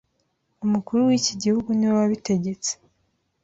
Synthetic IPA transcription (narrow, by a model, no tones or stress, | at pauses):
umukuɾuwiːciɟihuɡuniwwaβite̞ɟe̞t͡se̥